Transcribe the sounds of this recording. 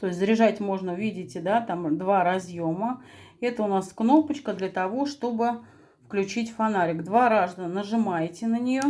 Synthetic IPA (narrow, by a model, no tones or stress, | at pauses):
t̪o̞ɪsʲzɾʲɪʐatʲmo̞ʐnəʊvʲidʲɪtʲɪd̪at̪amd̪vaɾɐzjo̞məɛt̪əʊnaskno̞pət͡ɕkəd̪lʲət̪ɐvo̞ʂt̪o̞bɨ | fklʲʉt͡ɕitʲfɐnaɾʲɪɡd̪vaɾaʐd̪ənnəʐɨmajtʲɪnənʲɪjo̞